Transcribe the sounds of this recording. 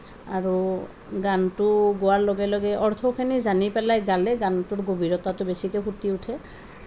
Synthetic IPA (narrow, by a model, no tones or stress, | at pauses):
aɹu | ɡantʊɡowaɹloɡɛlɔɡɛʔɔɹt̪ʰɔkʰenizanipɛlajɡalɛɡantʊɹɡobʱiɹɔtatʊbesikɛbʱutiutʰɛ